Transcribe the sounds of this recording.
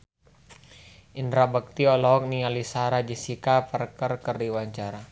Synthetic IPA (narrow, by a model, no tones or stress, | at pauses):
ʔindɾabək̚t̪iɔlɔk̚nialisaɾad͡ʒisikapərkərkərdiwaɲt͡ʃaɾa